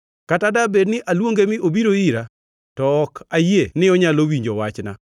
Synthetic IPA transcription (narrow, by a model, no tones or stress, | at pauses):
katadabednɪʔalwoŋɡemɪʔobiɾoiɾa | tɔːkajienɪɔɲalowiɲd͡ʒowat͡ʃna̰